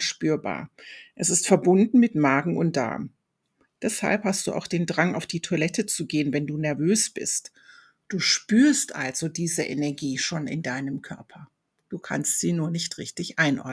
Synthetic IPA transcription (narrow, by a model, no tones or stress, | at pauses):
ʃpyːɐba̰ːɐʔɛsɪstfɛɐbʊndn̩mɪtmaːɡŋ̩ʊnt̚d̥a̰ɐm | d̥ɛsha̰lphast̚d̥uːʔa̰ʊxd̥eːndʁaŋaʊfd̥iːtʰoɐlɛtət͡suɡeːənvɛnduːnɛɐvøːsb̥ɪ̰st | d̥uːʃpyːɐstʔa̰lz̥odiːzəʔḛnɛɐɡiːʃoːnɪ̰ndaɪnəmkʰœɐpʰɐ | d̥uːkʰa̰nstz̥iːnuːɐnɪçtʁɪçtɪçʔaɪnʔɔ̰ɐ